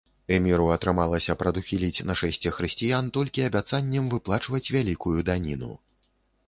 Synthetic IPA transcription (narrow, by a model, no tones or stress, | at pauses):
ɛmʲiɾuɐt̪ɾɨmalˠɐsʲɐpɾɐd̪uxʲilʲit͡sʲnɐʂɛsʲt͡sʲɛxɾɨsʲt͡sʲijant̪ɔlʲkʲiɐbʲat̪sanʲːɛmvɨplˠat͡ʂvɐt͡sʲvʲalʲikujud̪anʲinṵ